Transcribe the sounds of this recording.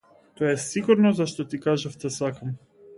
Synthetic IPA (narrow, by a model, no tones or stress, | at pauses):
t̪ɔɛsiɡuɾnɔzaʃt̪ɔt̪ikaʒaft̪ɛsakam